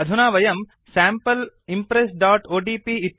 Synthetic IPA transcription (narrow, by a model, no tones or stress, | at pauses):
ɐd̪ʱunaːʋɐjɐm | saːmpɐlimpɾesɖaːʈoːɖiːpii